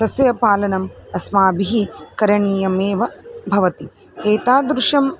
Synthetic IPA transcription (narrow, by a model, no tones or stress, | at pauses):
ɐsjɐpaːlɐnɐmɐsmaːbiɦikɐɾɐɳiːjɐmeːʋɐbʱɐʋɐt̪i | eːt̪aːd̪ɾuʂɐm